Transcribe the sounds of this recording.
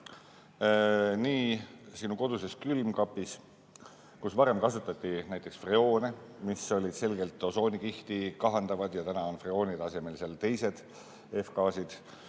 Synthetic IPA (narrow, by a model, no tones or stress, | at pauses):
niːsinuko̞d̪̥use̞skylmkɑpːis | kusvɑɾe̞mkɑsut̪ːˑɑt̪ʲːinæjt̪ːˑe̞ksfreo̞ːnemisːo̞lʲid̪̥se̞lɡe̞lt̪ːˑo̞so̞ːnikiht̪ikɑɦɑnd̪ɑvɑd̪̥jɑt̪ænɑonfreo̞ːnid̪ɑse̞me̞lseɑlt̪e̞jse̞d̪̥ | e̞fkɑːsid̪̥